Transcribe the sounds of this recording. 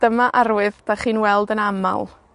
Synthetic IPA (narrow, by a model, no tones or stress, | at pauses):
d̥əmaʔaɾwɨðpʰaχiːnwɛlˠdənama̰lˠ